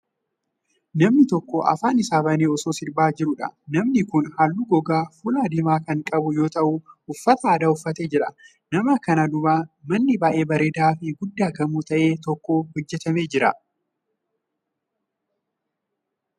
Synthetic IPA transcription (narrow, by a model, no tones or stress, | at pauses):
nɐmnɪt̪ɔkːɔʔɐ̰faːnɪsaːbɐneːɔsoːsɪɾbaːd͡ʒɪɾʊᶑɐ̰nɐmnɪkʊnhɐlːuɡɔɡaːfuːlad̪ɪmaːkɐŋkʼɐbʊjo̞ːt̪ɐʔʊʊfːɐt̪ɐaːd̪aːʊfːɐt̪eːd͡ʒɪɾɐ | nɐmɐkɐnad̪ʊbaːmɐnːɪbaːʔe̞ːbɐɾeːd̪aːfɪɡʊd̪ːaːkɐmuːt̪ɐʔe̞ːt̪ɔkːoːhɔd͡ʒːɛt̪ɐmeːd͡ʒɪɾɐ̰